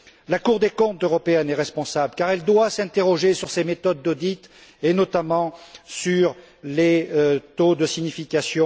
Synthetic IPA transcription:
lakuʁd̪ekɔ̃t̪øʁɔpeɛnɛʁɛspɔ̃sablkaʁɛld̪wasɛ̃t̪eʁɔʒesyʁsemet̪ɔd̪ːod̪it̪ | enɔt̪amɑ̃syʁ | let̪od̪əsiɲifikasjɔ̃

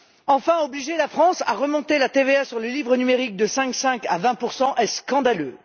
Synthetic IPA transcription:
ɑ̃fɛ̃ɔbliʒelafχɑ̃sa̰ʁəmɔ̃t̪elat̪eveasyʁləlivʁənymeʁik̚d̪əsɛ̃ksɛ̃kavɛ̃puʁsɑ̃ʔɛskɑ̃d̪alø

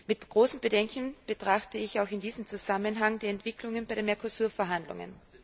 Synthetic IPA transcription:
mɪtɡ̥ʁoːsm̩bədɛŋkn̩b̥ətʁ̥axtəɪçaʊxɪndiːzəm̩t͡suzamənɦaŋdeːɐɛntv̥ɪkʰlʊŋənbaɪɾeːnmɛɐkʰosuːɐfɛɐɦandlʊ̰ŋə̰n

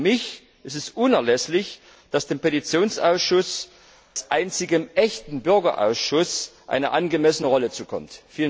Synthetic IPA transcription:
mɪç | ʔɪstɛsʔʊnɛɐlɛslɪç | d̥asd̥eːmpetit͡sjoːnsʔa̰ʊsʃʊs | sʔa̰ɪnt͡sɪɡəmʔɛçtn̩bʏɐɡɐ̰ʔa̰ʊsʃʊsʔa̰ɪnəʔanɡəmɛsənəʁɔlət͡suːkʰɔ̰mtfiːlə

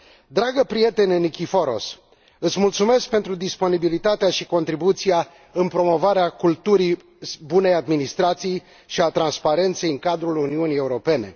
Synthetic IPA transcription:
d̪ɾaɡəpɾije̞t̪e̞nʲenikʲifoɾo̞̰s | ɨt̪sʲmult̪sume̞sk̚pe̞nt̪ɾud̪ispo̞nibilit̪at̪eaʃiko̞nt̪ɾibut̪sija | ɨnpɾo̞mo̞vaɾeakult̪uɾi | bune̞jad̪minist̪ɾat̪sij | ʃiat̪ɾanspaɾe̞nt̪se̞jɨŋkad̪ɾuluniunije̞uɾo̞pe̞ne̞̰

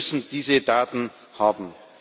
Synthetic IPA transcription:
sn̩d̥iːzədaːtn̩ | haːbm̩

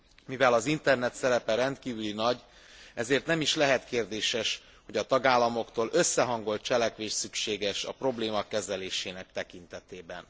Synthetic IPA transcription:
mivɛlɒzint̪ɛrnɛt̪sɛɾɛpɛɾɛnt̪kiːvylinɒɟ | ɛzeːrt̪nɛmiʃlɛɦɛt̪keːrd̪eːʃɛʃ | ho̞ɟɒt̪ɒɡaːlːɒmo̞kt̪oːlʔø̞sːɛɦɒŋɡo̞lt̪̚t͡ʃɛlɛkʋeːʃsykʃeːɡɛʃɒ̰pro̞bleːmɒkːɛzɛleːʃeːnɛkt̪ɛkint̪ɛt̪eːbɛ̰n

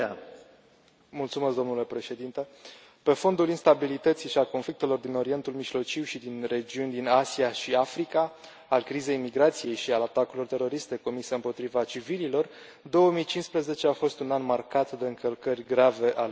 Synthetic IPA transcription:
mult̪sume̞sd̪o̞mnule̞pɾe̞ʃe̞d̪int̪e | pe̞fo̞nd̪ulinst̪abilit̪ət̪siʃialko̞nflik̚t̪e̞lo̞rd̪ino̞ɾie̞nt̪ulmiʒlo̞t͡ʃiwʃid̪inre̞d͡ʒiunʲd̪inasiaʃiafɾikaː | lkɾize̞jmiɡɾat̪sije̞jʃialat̪akuilo̞rt̪e̞ɾo̞ɾist̪e̞ko̞miseɨmpo̞t̪ɾivat͡ʃivililo̞r | d̪o̞wəmijt͡ʃinspɾəze̞t͡ʃe̞afo̞st̪unanmarkat̪d̪e̞ɨŋkəlkərʲɡɾave̞ʔal

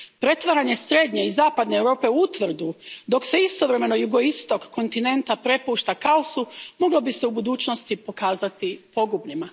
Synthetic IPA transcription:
pɾe̞t̪ʋaɾaɲe̞sɾe̞d̪ɲe̞izaːpad̪neːwɾo̞ːpe̞uut̪ʋr̩d̪ud̪o̞kse̞ist̪o̞ʋɾe̞me̞no̞juɡo̞ist̪o̞kːo̞nt̪ine̞nt̪apɾe̞puːʃt̪akaosumo̞ɡlobise̞ubud̪uːt͡ɕnost̪ipo̞kaːzat̪ipo̞ɡubʎima

